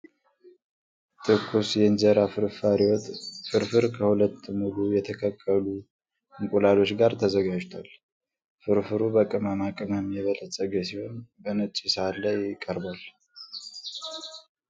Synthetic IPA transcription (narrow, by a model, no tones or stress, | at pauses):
t̪ʰɨkʰːusjɛnzəɾafɨɾfaɾiwɔt̪fɨɾfɨɾkʰəhulət̪ːmulujɛt̪ʰəkʰəkʼːəlu | ɨŋkʼulalo̞t͡ʃɡaɾt̪ʰəzəɡad͡ʒt̪ʰal | fɨɾfɨɾubəkʼɨməmakʼɨməmjɛβələsʼəɡəsiho̞nbənɨt͡ʃʼːisəalajɪkʼːəɾbal